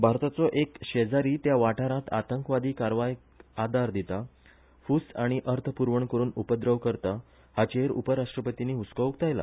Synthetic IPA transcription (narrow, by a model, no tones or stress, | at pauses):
bʱaɾt̪at͡sɔʔekɕed͡zaɾiːt̪jaʋaʈaɾãt̪a̰t̪əŋkʋad̪iːkaɾʋaj | ad̪aɾd̪it̪a | fusaɽ̃iʔəɾt̪ʰəpuɾʋəɳkəɾuːnupəd̪ɾəʋkəɾt̪a | hat͡ɕeɾṵpəɾaʂʈɾəpət̪iniːut͡skəʋkt̪ajla̰